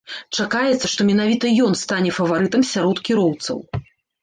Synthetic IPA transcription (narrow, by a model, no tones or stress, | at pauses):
t͡ʂakajɛt̪sːɐʂt̪ɔmʲɛnavʲit̪ɐjɔn̪st̪anʲɛfɐvaɾɨt̪ɐmsʲaɾɔt̪kʲiɾɔwt̪sɐ̰w